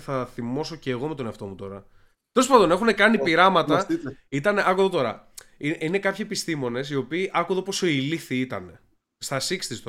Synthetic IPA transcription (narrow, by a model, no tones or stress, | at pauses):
θɐθimo̞so̞ceːɣo̞me̞t̪o̞neɐft̪o̞mut̪o̞ɾɐ | t̪ospɐd̪o̞ne̞xunekɐnipiɾɐmɐt̪ɐit̪ɐneʔɐkuðot̪o̞ɾɐ̰iine̞kɐpçiepist̪imo̞ne̞sio̞piːʔɐkuðo̞po̞so̞iliθiit̪ɐne̞ | st̪ɐsikst̪ist̪o